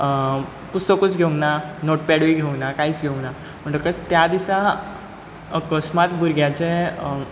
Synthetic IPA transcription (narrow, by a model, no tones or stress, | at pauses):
pust̪əkut͡sɡʱeũŋɡnanoʈ̚pɛɽʋiɡʱeũŋɡnakaiːt͡sɡʱeũŋɡna | m̤əɳʈ̪əkət͡st̪jad̪isa | əkəsmat̪bʱuɾɡjat͡ɕe